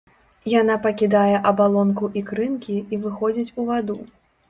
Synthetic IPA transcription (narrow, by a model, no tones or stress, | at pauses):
janapɐkʲid̪ajɛʔɐbalˠɔnkuʔikɾɨnkʲiivɨxɔd͡zʲit͡sʲuvad̪u